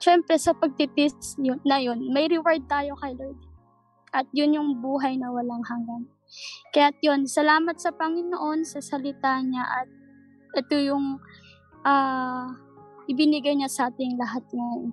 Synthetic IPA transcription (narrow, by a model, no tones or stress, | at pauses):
ʃɛmpɾɛsɐpɐɡ̚t̪ɪt̪ɪst̪sjonɐjo̞nmɐjɾɪwaɹd̪̚t̪aːjo̞kɐjlojd̪ | ʔɐt̪̚jʊnjʊŋbuːɦɐjnɐwɐlaŋhɐŋɡɐn | kɐjat̪̚jo̞nsɐlaːmɐt̪̚sɐpɐŋɪnoʔo̞nsɐsɐlɪt̪aɲaʔɐt̪̚ | ʔɛt̪ojʊŋ | ʔaː | ʔɪbɪnɪɡajɲasɐʔaːt̪ɪŋlɐɦat̪̚ŋɐjon